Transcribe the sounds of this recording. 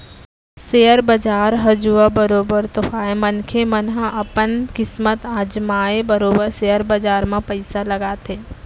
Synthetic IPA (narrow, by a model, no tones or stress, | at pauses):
seːəɾbɐd͡ʒaːɾɦɐd͡ʒuːabəɾoːbəɾt̪ʊfʰaːemənkʰemənɦãʔɐpənkɪsmət̪aːd͡ʒmaːebɐɾoːbəɾsejəɾbəd͡ʒaːɾmãpəɪsalɐɡaːt̪eː